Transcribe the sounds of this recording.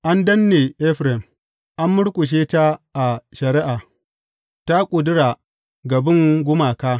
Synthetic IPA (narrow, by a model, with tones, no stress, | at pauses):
ʔa˦ndɐ˦nːe˨ʔɛ˦ɸɾɛ˨m | ʔa˦mːʊ˦ɽkʷʼʊ˨ʃ̬eː˦ta˦ʔa˨ʃɐ˨ɾɪ˦ʔa˨ | ta˦kʷʼʊ˨dʊ˦ɽaː˨ | ɡɐ˨bɪ˦ŋɡʷʊ˦maː˨kaː˦